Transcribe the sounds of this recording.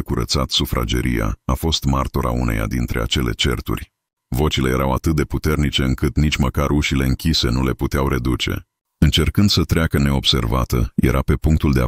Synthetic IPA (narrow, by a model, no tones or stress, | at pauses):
kuɾət̪sat̪sufɾʔa̰d͡ʒe̞̰ɾija̰afo̞st̪mart̪o̞ɾa̰ṵne̞̰ja̰d̪int̪ɾe̞̰at͡ʃe̞le̞̰t͡ʃe̞̰rt̪ṵrʲ | vo̞t͡ʃile̞jeɾawat̪ɨt̪̚d̪e̞put̪e̞rnit͡ʃe̞ɨŋkɨt̪nit͡ʃməkaɾuʃile̞ɨŋkʲise̞nule̞put̪eawɾe̞d̪ut͡ʃe̞̰ | ɨnt͡ʃe̞rkɨnd̪sət̪ɾeakəne̞o̞b̥se̞̰rvat̪əje̞̰ɾʔape̞puŋk̚t̪uld̪ea